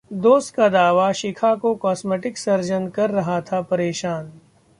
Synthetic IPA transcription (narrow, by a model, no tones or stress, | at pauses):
d̪oːst̪kad̪aːʋaʃɪkʰakokɔːsmeːʈɪksɐɾd͡ʒənkɐɾːɐɦat̪ʰapɐɾeːʃaːn